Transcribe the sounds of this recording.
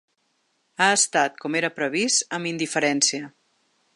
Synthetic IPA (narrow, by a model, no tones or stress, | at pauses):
aəst̪at̪̚kɔmeɾəpɾəβ̞ist̪əmind̪ifəɾɛnsiə